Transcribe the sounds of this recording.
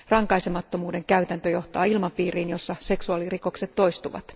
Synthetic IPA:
rɑŋkɑjsemɑt̪ːo̞muːde̞ŋkæyt̪ænt̪øjo̞ht̪ɑːilmɑmpiːriːnjo̞sːɑse̞ksuɑliriko̞kse̞t̪ːo̞jst̪uʋɑ̰t̪

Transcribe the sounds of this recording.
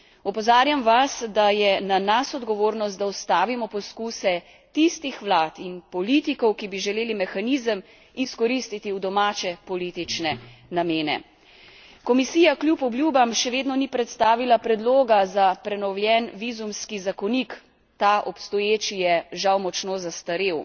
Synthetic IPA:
ɔpɔzaːɾjamʋasd̪ajɛnanasɔd̪ɡɔʋoːɾnɔst̪̚d̪aɔst̪aːʋimɔpɔskuːsɛ | t̪ist̪ixʋlaːt̪inpɔliːt̪ikɔwkibiʒɛleːlimɛxanizəm | iskɔɾist̪it̪iud̪ɔmaːt͡ʃɛpɔliːt̪it͡ʃnɛnameːnɛ̰ | kɔmisiːjaklʲjupɔbljuːbamʃɛʋeːd̪nɔnipɾɛt̪st̪aːʋilapɾɛd̪loːɡazapɾɛnɔwljɛnʋizumskizakɔnik | t̪aʔɔpst̪ɔjeːt͡ʃijɛʒawmɔt͡ʃnoːzast̪aɾew

